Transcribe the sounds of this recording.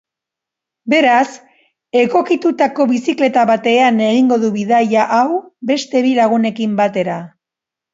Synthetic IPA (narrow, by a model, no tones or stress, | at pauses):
be̞ɾas | e̞ɣo̞kit̪ut̪ako̞βisikle̞t̪aβat̪e̞ane̞ɣ̞iŋɡo̞ðuβiðajaʔawbe̞st̪e̞βilaɣ̞une̞kimbat̪e̞ɾa